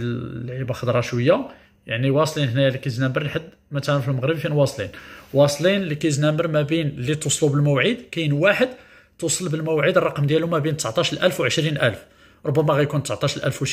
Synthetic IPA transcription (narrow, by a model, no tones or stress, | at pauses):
lʕibaxɑd̪ˤɾˤɑʃwəjːa | jaʕniwɑsˤlinhnæjælikæjəznæmbəɾlħad̪ː | mæt̪ælæfilməɣɾəbfinwɑsˤlḭnwɑsˤlinlikæjznæməɾmæbinlːit̪usˤlubəlmæwʕid̪kæjnwaħəd̪ | t̪usˤəlbəlmæwʕid̪ərˤːɑqəmd̪jælʊmæbint̪əsʕt̪ˤɑʃlʔælfwʕəʃɾinʔælf | ɾˤobːæmæɣæjkunt̪əsʕt̪ˤɑʃəlʔæ̰lfwəʃ